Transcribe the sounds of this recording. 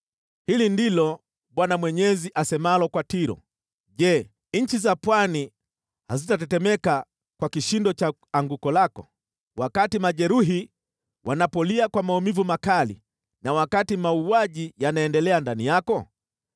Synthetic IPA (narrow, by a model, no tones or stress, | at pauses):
hilindilɔ | ɓwanamwɛɲɛziʔasɛmalɔkwatiɾɔ̰ | ʄɛ | ɲ̩t͡ʃizapwani | hazitatɛtɛmɛka | kwakiʃindɔt͡ʃa | aŋɡukɔlakɔ̰ | wakatimaʄɛɾuɦi | wʔanapɔliakwamaumivumakalḭ | nawakatimauaʄijanaɛndɛlɛandanijakɔ